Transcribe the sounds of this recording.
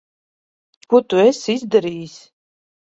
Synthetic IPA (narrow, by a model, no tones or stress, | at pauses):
kut̪uɛsizd̪aɾiːsʲ